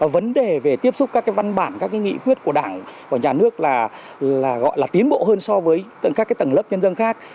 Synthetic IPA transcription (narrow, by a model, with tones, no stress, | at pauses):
və˨˦nɗe˨˩ve˨˩t̪i˦˥əp̚sʊ˦˥k͡p̚kaː˦˥kːaː˨˦jva˧nɓaː˧˩nkaː˦˥kːa˨˦ŋḭ˧˨kwi˦˥ət̚ku˧˩əɗaː˧˩ŋkaː˨˩ɲaː˨˩nɨ˦˥ək̚laː˨˩ | llaː˨˩ɣɔ̰˧˨jlaː˨˩t̪i˨˦ənɓo̰˧˨ɦəː˧nsɔ˧vəː˨˦jt̪ŋkaː˦˥kːaː˨˦jt̪ə˧˩nlə˦˥p̚ɲə˧nzə˧nxaː˦˥k̚